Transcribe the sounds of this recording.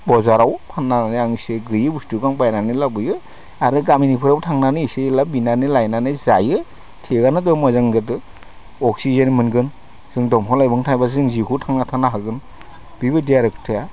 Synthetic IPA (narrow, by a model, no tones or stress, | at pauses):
bɔzaɾawpʰanːananɯaŋsɯɡɯjɯbustuɡaŋbajnanɯlabɯjɯ | aɾɯɡaminipʰɯɾawtʰaŋnanɯiselabinanɯlajnanɯjzajɯ | tʰeɡanɯdɔmɔzaŋzɯt̬ɯ | ɔksizanimɯnɡɯn | z̥ɯŋdɔmɦɔlajbɯŋtʰajbas̬ɯŋzikutʰaŋnatʰanaɦaɡɯn | b̥ibɯdijaɾektʰɯja